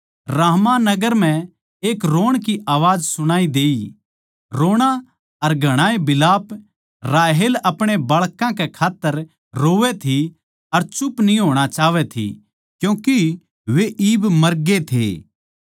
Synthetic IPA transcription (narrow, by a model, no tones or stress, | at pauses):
ɾaːɦmãnɐɡəɾm̤ɛ̃ | eːkɾoːɽ̃k̬iʔaːʋaːd͡ʒsʊɽ̃aːid̪eːi | ɾoːɽ̃a | ɐɾɡʱɐɽ̃aːẽbɪlaːp | ɾaːɦeːlɐpɽ̃ebɐɭkãkekʰaːt̪ːəɾ | ɾoːʋɛt̪ʰi | ɐɾt͡ʃʊpniɦoːɽ̃at͡ʃaːʋɛt̪ʰḭ | kjũːki | ʋeʔiːbmɐɾɡet̪ʰḛː